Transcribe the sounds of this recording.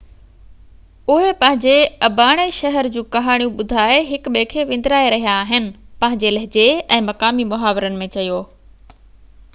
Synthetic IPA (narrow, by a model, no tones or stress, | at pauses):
ʊɦepɐ̃ɦɪ̃ɲd͡ʑeɐbaːɽ̃eʃɐɦəɾd͡ʑũːkɐɦaːɽ̃ijũɓʊd̪ʱaːeɦɪkɓeːkʰeʋɪ̃nd̪ɾaːeɾɐɦijaːɦɪnɪ̆pɐ̃ɦɪ̃ɲd͡ʑelɐɦɪd͡ʑeɛ̃ːmɐkaːmimʊɦaːʋɪɾənɪ̆mẽt͡ɕɐjoː